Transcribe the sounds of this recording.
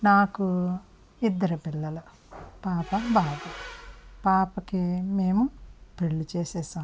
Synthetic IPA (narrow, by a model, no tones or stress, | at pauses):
naːku | id̪ːɐɾɐpilːɐlɐ | paːpɐbaːɡɐpaːpɐkimeːmupɾeɭːit͡ʃɛːsɛːsaːm